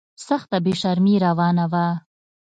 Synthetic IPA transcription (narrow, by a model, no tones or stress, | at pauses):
saxt̪abeʃaɾmiɾawɑːnawa